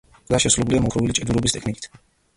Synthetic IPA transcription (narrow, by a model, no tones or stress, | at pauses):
d̪aʃɛsulɔbuliamɔkʰɾɔvilit͡ʃʼɛd̪uɾɔbist̪ʼɛkʰnikʼi̥t̪ʰ